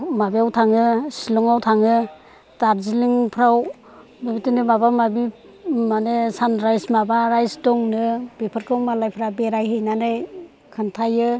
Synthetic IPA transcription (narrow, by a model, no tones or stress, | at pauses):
mabiawtʰaŋɯsilɔŋawtʰaŋɯ | taɾziliŋpʰɾaw | mabitɯnɯmaβamabi | manesanɾajsmabaɾajsdɔŋnɯbepʰɯɾkʰɯwmalajpʰɾabeɾajhejnanɯj | kʰɯntʰajɯ